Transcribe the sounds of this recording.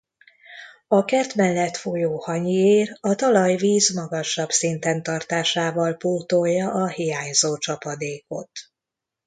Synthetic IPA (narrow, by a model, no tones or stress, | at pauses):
ɒkɛrt̪mɛlːɛt̪fojoːhɒɲieːɾɒt̪ɒlɒjviːzmɒɡɒʃɒbsint̪ɛnt̪ɒrt̪aːʃaːvɒlpurt̪ojːɒʔɒhijaːɲzoːt͡ʃɒpɒd̪eːko̞̰t̪